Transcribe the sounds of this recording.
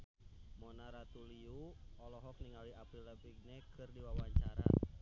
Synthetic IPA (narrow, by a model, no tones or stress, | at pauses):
mɔnaɾat̪uliuɔlɔɦɔk̚niŋaliapilɛpiɡ̚nɛkʰɨrdiwawaɲt͡ʃaɾa̰